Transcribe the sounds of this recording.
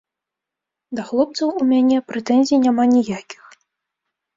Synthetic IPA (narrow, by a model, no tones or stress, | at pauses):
d̪ɐxlˠɔp̚t̪sɐwumʲanʲɛpɾɛt̪ɛnʲzʲijnʲamanʲɛjakʲi̥x